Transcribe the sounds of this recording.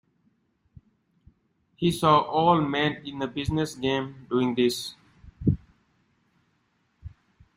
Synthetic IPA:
hiːsɔːʔɔːlmɛ̃nɪ̃nd̪əbɪznəsɡẽːmɖuːɪ̃ŋd̪ɪs

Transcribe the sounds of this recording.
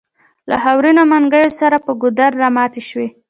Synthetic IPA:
la̰ɦawɾinomaŋɡəjosaɾapəɡʊd̪aɾːamɑt̪eʃwe

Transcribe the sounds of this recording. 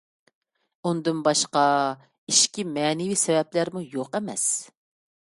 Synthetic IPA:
und̪ɨnbɑʃqɑ | iʃkʲimɛːnɪvisɛvɛplæɾmujoqɛmɛ̰s

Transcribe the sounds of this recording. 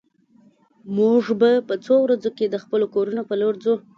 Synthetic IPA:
muʐbapət͡sowɾad͡zoked̪əxpəlokoɾunopəloɾzu

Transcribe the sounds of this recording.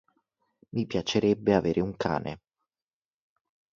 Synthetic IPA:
mipjat͡ʃeɾɛbːeaveːɾʔeuŋka̰ːnʔḛ

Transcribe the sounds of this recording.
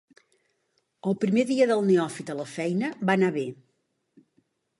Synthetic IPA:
əlˠpɾimeðiəðəlˠneɔfit̪ələfɛjnəβanaβe

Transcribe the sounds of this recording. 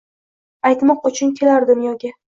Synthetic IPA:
ajt̪mɒqʊt͡ʃʰʊnkʲʰe̞laɾd̪ɪmjɒɡʲa

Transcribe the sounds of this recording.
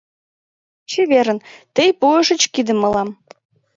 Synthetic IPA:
t͡ɕeβeɾə̆nt̪əjpuəʃə̆t͡ɕkid̪ə̆mə̆lɑm

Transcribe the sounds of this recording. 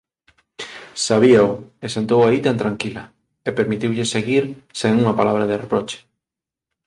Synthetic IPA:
saβiɐʊesent̪owait̪ant̪ɾaŋkilɐ | epeɾmit̪iwʎɪseɣiɾseŋuŋɐpalaβ̞ɾɐðerepɾot͡ʃe̥

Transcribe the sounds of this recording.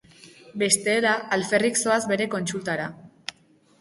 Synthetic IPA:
be̞st̪eːɾaːlfe̞rikso̞azβe̞ɾe̞ko̞nsult̪aɾa

